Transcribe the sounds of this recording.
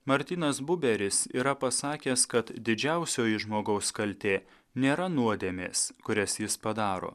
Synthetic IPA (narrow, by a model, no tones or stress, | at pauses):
mɐɾʲt̪ʲiːnɐsbʊbʲɛɾʲɪsḭːɾɐpɐsɑːkʲeːskɐt̪d̪ʲɪd͡ʒʲæˑʊsʲoːjɪʒmoːɡɐʊskɐlʲt̪ʲeː | nʲeːɾɐnuɔd̪ʲeːmʲḛːskʊɾʲɛsjɪspɐd̪ɑːɾo̰ː